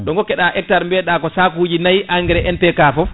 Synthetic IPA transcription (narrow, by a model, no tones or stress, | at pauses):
ɗɔŋɡɔkːɛɗaʔɛk̚taɾmbɛɗakɔsakud͡ʒinajʔaŋɡɛɾɛʔɛntɛkaːfɔ